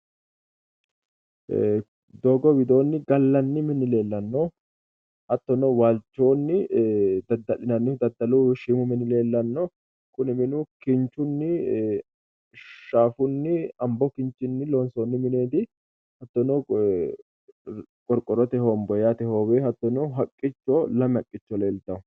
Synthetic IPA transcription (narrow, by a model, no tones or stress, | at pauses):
d̪oːɡɔwɪd̪o̞ːnːɪɡɐlːɐnːɪmɪnːɪle̞ːlːɐnːo | hɐt̪ːɔnowaːlt͡ʃːo̞ːnːɪd̪ɐd̪ɐlɪnɐnːɪfd̪ɐd̪ːɐluʃiːmʊmɪnɪle̞ːlːɐnːɔ | kʊnɪmɪnʊkɪnt͡ʃːʊnːɪ | ʃaːfʊnːɪɐmbɔkɪnt͡ʃːɪnːɪlɔnsoːnːɪmɪneːd̪ɪ | hɐt̪ːɔnɔː | kʼɔɾkʼːɔɾɔt̪ɛhoːmbɔjat̪ɛhoːweːhɐt̪ːɔnɔɦɐkʼːɪt͡ʃːɔlɐmɐkʼːɪt͡ʃːɔle̞ːlt̪ːɐʊ